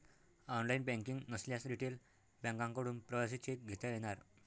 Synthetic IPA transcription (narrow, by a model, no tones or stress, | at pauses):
ɔnlainbɛ̃ŋkiŋɡnəsljasɾiʈel | bɛ̃ŋkãŋkəɽuːnpɾəʋas̬it͡ɕet̪ɡʱet̪ajeɽ̃aɾ